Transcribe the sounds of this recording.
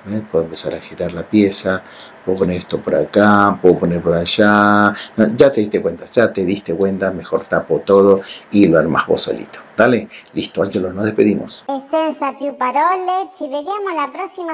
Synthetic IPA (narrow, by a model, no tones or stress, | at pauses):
bepweðoempesaɾaxiɾaɾlapjesa | peðoponeɾest̪opoɾa̰kapweðoponeɾpoɾaʃanod͡ʒat̪eðiht̪ekwent̪ad͡ʒat̪eðist̪ekwent̪amexoɾt̪apot̪oðoiloaɾma̰hβo̰so̰lḭt̪o̥d̪aleliht̪oant͡ʃelosnoðehpeðimosesensat̪jupaɾolet͡ʃiβeɾjamolapɾoksima